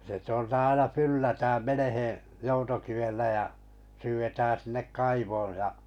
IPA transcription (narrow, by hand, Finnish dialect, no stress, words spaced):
se tŭoltɑ ɑinɑ ylæhæltæ menehẽˑ joutokiʋelːæ jɑ syːʋetæːn̞ sinːek kɑiʋoːj jɑ